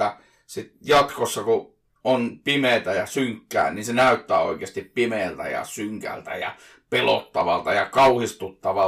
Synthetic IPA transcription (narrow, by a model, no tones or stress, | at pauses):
æ | sit̪jɑt̪kosːɑku | ʔonpimeˑt̪æjɑsyŋkːæ̰ːnninsenæˑyt̪ːæːo̰ˑikeɑst̪ippimeːlt̪æ̰jɑ̰syŋkæ̰lt̪æ̰jɑ̰ | pelo̰t̪ːɑʋɑlt̪ɑjɑkɑuhist̪ut̪ːɑʋɑ